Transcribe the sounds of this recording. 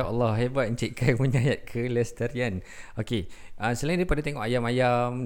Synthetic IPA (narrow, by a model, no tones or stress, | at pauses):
aʔalːɔhɦebat̪̚t͡ʃiʔkʰajməɲajat̪̚kʰəlɛst̪ərjan | okeʔasəlaĩndaipadat̪eŋɔʔajamajam